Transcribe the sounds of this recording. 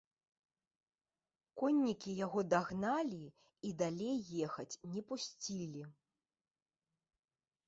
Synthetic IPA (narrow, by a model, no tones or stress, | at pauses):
kɔnʲːikʲijaɣɔd̪aɣnalʲi | id̪alʲejːɛxɐt͡sʲnʲɛpusʲt͡sʲilʲi